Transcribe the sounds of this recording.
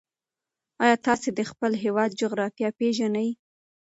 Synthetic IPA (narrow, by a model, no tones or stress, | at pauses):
ɑjɑt̪ɑsed̪əxpəlɦewɑd̪̚d͡ʒoɣɾɑfjɑpeʒanaj